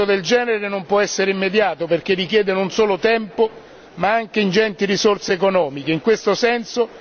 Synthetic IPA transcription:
od̪eld͡ʒɛːneɾenompwɔɛsːeɾeimːed̪jaːt̪operk̟erːikjɛːd̪enonsoːlot̪ɛmpo | maaŋk̟eind͡ʒɛnt̪irisorseːkonɔːmik̟eiŋkwest̪osɛnso

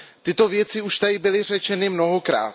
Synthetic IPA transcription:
t̪ɪt̪o̞vjɛt͡sɪuʃt̪adɪbɪlɪr̝ɛt͡ʃɛnɪmno̞ɦokɾa̰ːt̪

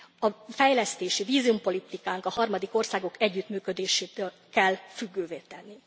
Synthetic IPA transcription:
ɒfɛjlɛst̪eːʃiviːziumpo̞lit̪ikaːŋkɒhɒrmɒd̪iko̞rsaːɡo̞kʰɛɟːyt̪myːkø̞d̪eːʃeːt̪øːl | kɛlːfyɡːøːveːt̪ɛnːi

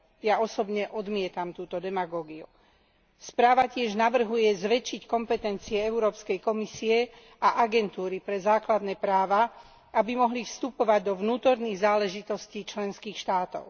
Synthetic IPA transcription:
jaɔsɔbɲɛʔɔd̪mɪɛt̪amt̪uːt̪ɔd̪ɛmaɡɔːɡiṵ | spɾaːʋacɪɛʒnaʋr̩ɦujɛzʋɛt͡ʃːickɔmpɛt̪ɛnt͡siɛɛʊɾɔːpskɛjkɔmisiɛ | aʔaɡɛnt̪uːɾipɾɛzaːklad̪nɛːpɾaːʋa | ʔabimɔɦlifst̪upɔʋaɟd̪ɔʋnuːt̪ɔɾniːɣzaːlɛʒit̪ɔsciːt͡ʃlɛnskiːxʃt̪aːt̪ɔ̰ʊ

